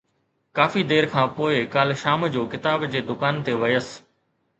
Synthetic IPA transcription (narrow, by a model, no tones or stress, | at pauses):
kaːfid̪eːɾkʰãːpoːɪkaːlʃaːmd͡ʑoːkɪt̪aːbd͡ʑeːd̪ʊkaːnt̪eʋɐjəs